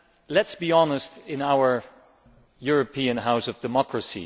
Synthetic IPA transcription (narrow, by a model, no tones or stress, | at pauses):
lɛtsb̥iɑnəstɪ̃naʊə˞ | jʊɹɨpʰiɨ̃nɦaʊsʌvdɨmɑkʰɹəsḭ